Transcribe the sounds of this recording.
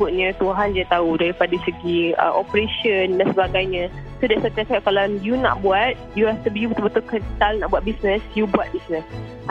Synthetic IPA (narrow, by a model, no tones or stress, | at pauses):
bʊt̪̚ɲãt̪uɦand͡ʒiat̪audaɾipadaisəɡiə̰ʔopɾeʃəndansəbaɡajɲãsudaʔsat̪at̪aʔ̚kalajuna̰ʔbuat̪̚juɛft̪əbjubt̪ubət̪ʊlkɛpit̪alna̰ʔbuat̪̚bisnə̃sjubuat̪̚bisnə̃s